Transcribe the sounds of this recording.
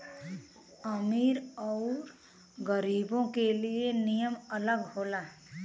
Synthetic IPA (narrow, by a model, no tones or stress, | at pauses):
əmiːɾɔːɾ | ɡəɾiːbõkelienijəmələɡɦoːlaː